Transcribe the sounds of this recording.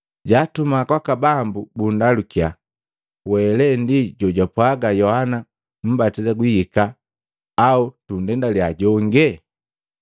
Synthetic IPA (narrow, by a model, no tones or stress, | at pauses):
ɟaːtumakwakabambubundalukia | wɛlɛndiɟɔɟapwaɡajɔhana | m̩batizaɡwihikaː | utundɛndaljaɟɔŋɡɛ